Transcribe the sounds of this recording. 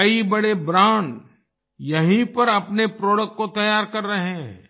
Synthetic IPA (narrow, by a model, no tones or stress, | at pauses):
kɐibɐɽebɾãːɳɖ | jɐɦĩpɐɾɐpnepɾoːɽəkːot̪ɐjaːɾkɐɾːɐɦeɦɛ̰̃